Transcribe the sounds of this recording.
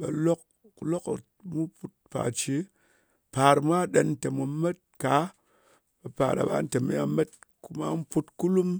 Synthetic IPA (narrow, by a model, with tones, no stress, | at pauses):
ba̰˨lo˦k | ku˨lo˦k | mu˦pu˦t̚pa̰˨t͡ʃi˦ | pa˨ɾm˦a˦ɗe˨n˦te˨mu˨˦me˦t̚ka˨˦ | ɓe˨pa˨ɾa̰˨ba̰˦n̩˦te˨me˦a̰˨˦me˦t̚ku˦ma̰˦m̩˦pu˦tku˦lu˦m